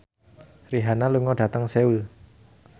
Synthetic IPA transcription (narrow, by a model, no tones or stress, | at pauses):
riɦanaluŋɔɖ̥a̤t̪əŋseul